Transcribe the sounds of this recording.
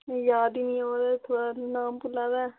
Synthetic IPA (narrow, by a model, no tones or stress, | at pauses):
jaːd̪iːnĩːoːd̪aːt̪ʰoːɽanaːmpʊlaːd̪ɛː